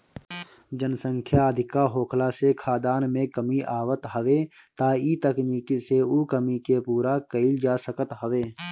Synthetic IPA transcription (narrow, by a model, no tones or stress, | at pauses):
d͡ʒənsə̃ŋkʰjaəd̪ʱɪkaɦoːkʰlasekʰaːd̪aːnmẽkəmiʔaːʋət̪ɦəʋeː | t̪aːiːt̪əkniːkiseuːkəmikepuːɾakəɪld͡ʒaːsəkət̪ɦəʋeː